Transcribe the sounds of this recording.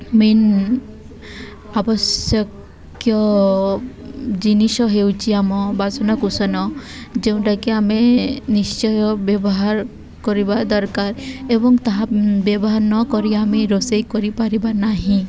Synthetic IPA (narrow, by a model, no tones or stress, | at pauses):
min | abɔsjɔk | jɔ | d͡ʒiniʃɔɦewt͡ʃʰiamɔbazɔnɔkusɔnɔ | d͡ʒeũʈakeamenist͡ʃɔbjɔbɔɦaɾ | kɔɾibad̪ɔɾkaɾebɔŋɡt̪aɦãbjebɔɦaɾnɔkɔɾiamiɾosejkɔɾipaɾibanaɦĩ